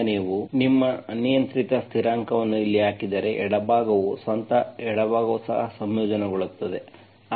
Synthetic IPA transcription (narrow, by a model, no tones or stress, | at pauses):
niːʋunimːɐɐnijɐnt̪ɾit̪ɐst̪ʰiɾaːŋkɐʋɐnːuilːiɦaːkid̪ɐɾe̞ʔɛɽɐbʱaːɡɐʋusʋɐnt̪ɐɛɽɐbʱaːɡɐʋusɐɦɐsɐmjoːd͡ʒɐnɛɡoɭut̪ːɐd̪e̞